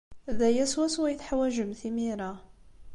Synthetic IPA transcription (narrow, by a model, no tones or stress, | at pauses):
ðæjæswæswæjθħawæʒəmθimiɾa